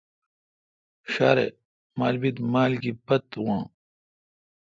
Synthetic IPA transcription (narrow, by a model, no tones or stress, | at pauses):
ɕa̰ːɾḛ | maːlbid̪maːlɡipɐt̪wãː